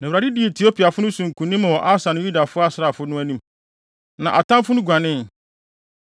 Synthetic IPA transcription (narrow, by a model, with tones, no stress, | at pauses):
nã˨ɾa˨di˦di˦e˨tʰi˨o˦pʰi˨a˨fʊ˦nʊ̃˦sũ˨ŋ̩˨kʰũ˨nĩ˦m̃˨wɔ˨ʔa˦sã˨nɪ̃˦ju˦da˨fʊ˦a˦sɪ˦ɾa˨fʊ˦nʊ̃˦æ˦nĩ˦m | nã˨ʔa˨tʰã˦fʊ˦nʊ̃˦ɡʷã˨nɪ̃˦n